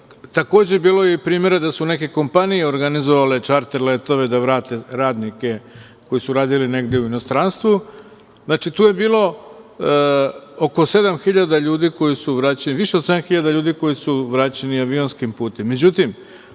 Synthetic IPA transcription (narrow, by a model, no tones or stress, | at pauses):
t̪ako̞ːd͡ʑebiːlo̞jeipɾiːmje̞ɾad̪asune̞ke̞ko̞mpanijeo̞ɾɡanizoʋale̞t͡ʃaɾt̪eɾlet̪o̞ʋe̞d̪aʋɾaːt̪e̞ɾaːd̪nike̞ | ko̞jisuɾaːd̪iline̞ɡd̪e̞uino̞st̪ɾanst̪ʋu | znaːt͡ʃit̪uːje̞biːlˠo̞ | oko̞se̞d̪amxiʎad̪aʎuːd̪iko̞jisuʋɾaːt͡ɕeniʋiʃese̞d̪anxiʎad̪aʎuːd̪iko̞jisuʋɾaːt͡ɕe̞niaʋio̞nskimpuːt̪e̞mːe̞d͡ʑut̪im